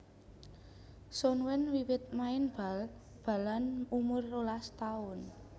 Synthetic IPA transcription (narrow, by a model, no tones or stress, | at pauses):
sɔnwɛnwiwɪt̪̚maɪnb̥a̤l | b̥a̤lanumʊrːolast̪aʊn